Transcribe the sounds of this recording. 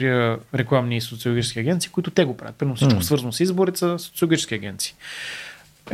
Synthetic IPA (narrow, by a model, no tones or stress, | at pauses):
ɾiəɾɛklˠamnisot̪siolʊɡʲit͡ʃɛ̥skʲiɐɡɛnt̪siːkʊit̪ʊt̪ɛɡopɾa̰ət̪pɾɛmnfsit͡ʃkʊsvəɾzənsizboɾit̪səsot̪ilˠɡʲit͡ʃɛskʲɐɡʲɛnt̪si̥ː